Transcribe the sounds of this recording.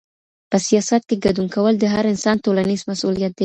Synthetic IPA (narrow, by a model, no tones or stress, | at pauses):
pəsijɑsat̪̚keɡad̪uŋkawəld̪əɦaɾɪnsɑnt̪olanizmasulijat̪̚d̪e